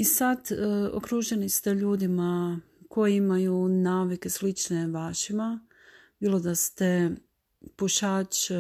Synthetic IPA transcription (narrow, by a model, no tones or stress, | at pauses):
isad̪o̰kɾuːʒe̞nist̪e̞ʎuːd̪ima | ko̞jiimajunaːʋike̞slit͡ʃneʋaːʃima | biːlˠo̞d̪ast̪e | puʃaːt͡ʃ